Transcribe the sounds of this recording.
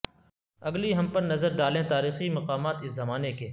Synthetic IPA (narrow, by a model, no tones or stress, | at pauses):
ɐɡliɦɐmpɐɾnɐzəɾd̪aːlẽt̪aːɾiːximɐqaːmaːt̪ɪszɐmaːnekeː